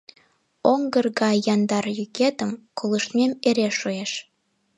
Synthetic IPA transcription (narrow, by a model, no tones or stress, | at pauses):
oŋɡərɣɑjɑnd̪ɑrjyket̪əmkoləʃmʲemeɾeʃoeʃ